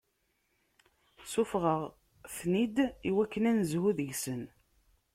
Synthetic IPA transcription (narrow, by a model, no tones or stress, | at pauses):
sʊfʁəʁ | θnid̪iwækːənænzhuðəʝsən